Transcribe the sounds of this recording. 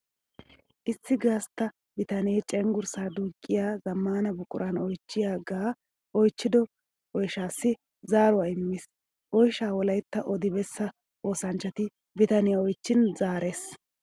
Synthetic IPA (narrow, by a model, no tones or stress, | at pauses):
ʔɪsːɪɡaːst̪ːɐ | bɪt̪ɐneːt͡ʃʼɛŋɡʊɾsaːd̪uːkʼːɪjaːzɐmːaːnɐbʊkʼʊ̰ɾʔɐnɔjt͡ʃːɪjaːɡaː | ʔɔjt͡ʃːɪd̪ɔ | ʔɔjʃaːsːɪ | zaːɾʊaɪmːɪs | ʔɔjʃaːwɔlɐjt̪ːɐʔɔd̪ɪbɛsːɐ | ʔo̞ːsɐnt͡ʃːɐt̪ɪ | bɪt̪ɐnɪjɐɔjt͡ʃːɪnzaːɾe̞ːs